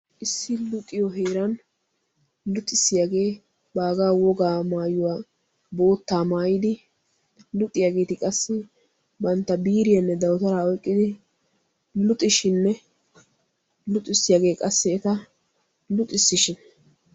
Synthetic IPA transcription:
ʔɪsːɪlʊt̪ʼːɪjɔɦeːɾɐn | lʊt̪ʼːɪsːɪjaːɡe̞ː | baːɡaːwɔɡaːmaːjʊwaː | bo̞ːt̪ːaːmaːjɪd̪ɪ | lʊt̪ʼːɪjaːɡe̞ːt̪ɪkʼɐsːɛ | bɐnt̪ːɐbiːɾɪjɐnːɛd̪ɐwt̪ɐɾaːɔjkʼːɪd̪ɪ | lʊt̪ʼːɪʃɪnːɛ | lʊt̪ʼːɪsːɪjaːɡe̞ːkʼɐsːɛɛt̪ɐ | lʊt̪ʼːɪsːɪʃɪn

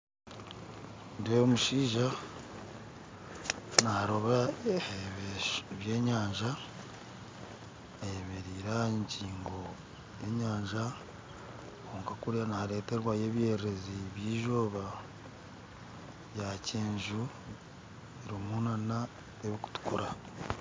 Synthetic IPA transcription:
ndemuʃiːʒa | naɾo̞βaeββje̞ːɲaːɲʒa | emeɾiːɾaeɲciːŋɡo̞ | e̞ɲaːɲʒa | koːŋkakuɾjanaɾe̞ːte̞ɾwaje̞βje̞ːɾeɾe̞ziβjiːʒo̞ːβa | βjaceːɲʒu | eɾimunana | eβiku̥tu̥kuɾa

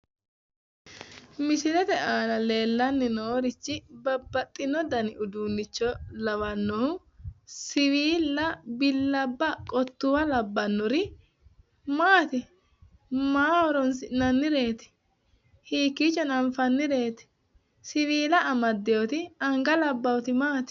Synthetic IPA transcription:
mɪsɪlɛt̪ɛʔaːlɐle̞ːlːɐnːɪnoːɾɪt͡ʃːɪbɐbːɐt̪ʼːɪnɔd̪ɐnɪʔʊd̪uːnːɪt͡ʃːɔlɐwɐnːɔʊ | sɪwiːlːɐbɪlːɐbːɐkʼɔt̪ːʊwɐlɐbːɐnːɔɾɪ | maːt̪ɪ | maːwɔɾɔnsɪnɐnːɪɾe̞ːt̪ɪ̥ | hiːkːit͡ʃːɔnɐɱfɐnːɪɾe̞ːt̪ɪ̥ | sɪwiːlɐːmɐd̪ːɛjɔt̪ɪɐŋɡɐlɐbːɐwt̪ɪmaːt̪ɪ̥

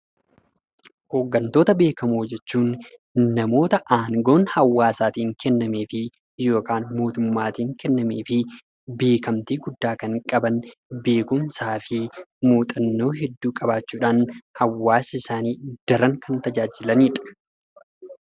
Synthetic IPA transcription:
ho̞ːɡːɐnt̪oːt̪ɐbe̞ːkɐmoːd͡ʒɛt͡ʃːuːnː | ɐmo̞ːt̪ɐʔaːŋɡo̞ːnhɐwːaːsaːt̪iːŋkɛnːɐme̞ːfɪ | jo̞ːkaːnmo̞ːt̪ʊmːaːt̪iːŋkɛnːɐme̞ːfɪ | be̞ːkɐmt̪iːɡʊd̪ːaːkɐŋkʼɐbɐnbe̞ːkʊmsaːfɪmuːt̪ʼɐnːo̞ːɦɛd̪ːuːkʼɐbaːt͡ʃːuːᶑaːnhɐwːaːsɐɪsaːniːd̪̥ɐɾɐŋkɐnt̪ɐd͡ʒaːd͡ʒɪlɐniːᶑɐ̥

